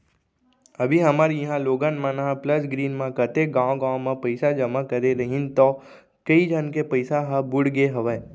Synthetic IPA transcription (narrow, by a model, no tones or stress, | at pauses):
ɐbʱiɦɐmaːɾjɐɦãloːɡanmãnaɦãpləsɡɾiːnmãkət̪eɡãːõɡãːõmãpəɪsad͡ʒɐmakəɾeɾɐɦɪ̃nt̪ɔ | kɐid͡ʒʱənkepəɪsaɦabʊɽɡeɦɐʋɛː